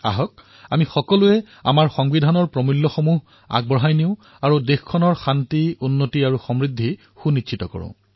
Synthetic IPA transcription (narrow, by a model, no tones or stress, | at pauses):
a̰ɦɔk̚ | amixɔkɔluɛ | a̰maɹxɔŋbidʱanɔɹpɹɔmilːɔxɔmuɦ | a̰ɡ̚bɔɦajniʊ | aɹudexkʰːɔnɔɹxantiunːotiaɹuxɔmɹidʱːi | xunitʃʰitɔkɔ̰ɹʊ̰̃